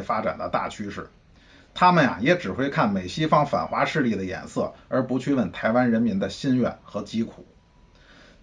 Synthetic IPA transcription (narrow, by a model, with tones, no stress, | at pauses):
fa˥ʈ͡ʂa̰˨˩nd̪ə̰˦t̪a̰˥˩t͡ɕʰy˥ʂɻ̩˥˩ | t̪ʰa˥mə˨nja̰˨˩jɛ˧˥ʈ͡ʂɻ̩˨˩xwe˥ɪkʰa˥˩nme˨˩ɪɕi˥fɑ˥ŋfa̰˨˩nxwa˧˥ʂɻ̩˥˧li˥˩d̪ə˩jɛ̰˨˩nsɤ˥˩ə˞˧˥pu˧˥t͡ɕʰy˥˧wə˥˩nt̪ʰa˧˥ɪwa˥nɻə˧˥nmi˧˥nd̪ə˧ɕi˥˧nɥɛ̰˥˩nxɤ˧˥t͡ɕi˥kʰṵ˨˩˦